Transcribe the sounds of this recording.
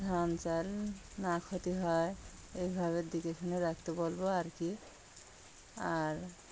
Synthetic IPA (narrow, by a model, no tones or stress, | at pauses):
d̪ʱant͡ʃalnakʰot̪iɦɔe | ejbʱaβeɾd̪ikekʰaneɾak̚t̪ebolboaɾki | aɾ